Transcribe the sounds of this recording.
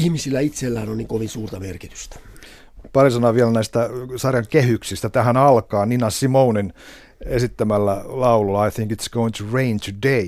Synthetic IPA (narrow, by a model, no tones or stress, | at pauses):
ihmisilːæit̪selːæːnonniːŋkoʋinsuːrt̪ɑmerkit̪y̥st̪æ̥ | pɑrisɑnɑʋielnæist̪æsɑrjɑŋkehyksist̪æt̪æhænɑlkɑːninɑsimounin | esit̪ːæmælːælɑululːɑɑjθiŋkit̪sɡ̥owiŋt̪ʰuɹẽint̪ʰude